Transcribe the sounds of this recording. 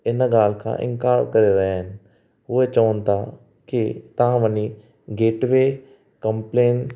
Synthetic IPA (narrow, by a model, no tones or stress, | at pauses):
ɪnɡaːl̤kʰã̰ʔɪ̰̃ŋkaːɾkɐɾeɾɐɦeɦɪnɪ̆ | ʊɦet͡ʃɐʋənt̪ʰa | kɪt̪ɐãʋɐni | ɡeːʈʋeː | kɐ̃mpleːn